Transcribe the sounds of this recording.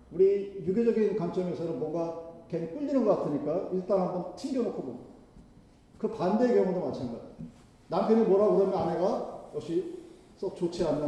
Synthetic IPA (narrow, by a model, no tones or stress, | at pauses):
uɾijuɡid͡ʑʌɡinkamt͡ɕ͈ʌŋjosʰʌɾɯnmwʌŋɡakeŋk͈ɯʎːinɯnŋɡʌk͈atʰɯɲik͈aiɭt͈anɦambʌnt͡ɕʰiŋɡjʌnokʰobom | kɯpande̞ːkjʌŋudomat͡ɕʰaŋɡad͡ʑ | nampʰjʌnimwʌɾaɡodamjʌnaneɡajʌkɕ͈i | s͈ʌt͡ɕot͡ɕʰeanːɯ